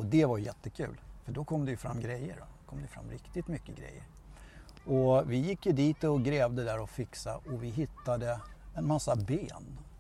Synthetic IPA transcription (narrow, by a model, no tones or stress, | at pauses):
ɔd̪ɛvajɵjɛt̪ːəkʰʉ̟ːlfœɖɔkʰɔmːd̪ɛjɵfɾa̰mːɡɾɛjːə̰ɾɔ̰kʰɔmd̪ɛjəfɾa̰mːɾɪkt̪ɪt̪mʏkːəɡɾɛ̰jːə̰ɾ | ɔvɪjɪkːjɵd̪iːt̪ɔɡɾɛːvd̪əd̪æɾɔfɪksa̰ɔvɪɦɪt̪ːad̪əɛnmasːabeːn